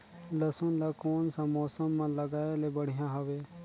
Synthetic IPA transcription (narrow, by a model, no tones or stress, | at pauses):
ləsʊ̃nlaːkoːnsãmɔːsəmːãːləɡaːelebəɽ̤ɪjãːɦoʋeː